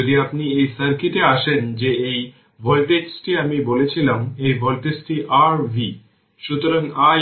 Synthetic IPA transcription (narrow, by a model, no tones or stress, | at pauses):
od̪iapniejsəɾkiʈeaʃend͡ʑeej | bʱɔlʈeksʈiamibolet͡ɕʰilamejbʱɔlʈesʈiʔaɾbʱi | ʃut̪oɾaŋa